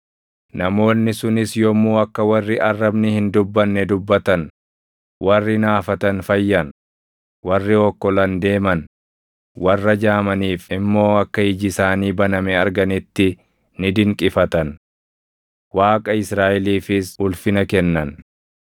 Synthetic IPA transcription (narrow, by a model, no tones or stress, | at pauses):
nɐmo̞ːnːɪsʊnɪsjɔmuːɐkːɐwɐrːɪʔɐrːɐbnɪhɪnd̪ʊbːɐnːɛd̪ʊbːɐt̪ɐn | wɐrːɪnaːfɐt̪ɐnfɐjːɐn | wɐrːɪɔkːɔlɐnd̪e̞ːmɐn | wɐrːɐd͡ʒaːmɐniːfɪmːo̞ːɐkːɐɪd͡ʒɪsaːniːbɐnɐmɛɐɾɡɐnɪt̪ːɪ | nɪd̪ɪŋkʼɪfɐt̪ɐn | waːkʼɐɪsɾaːʔɛliːfɪsʊlfɪnɐkɛnːɐn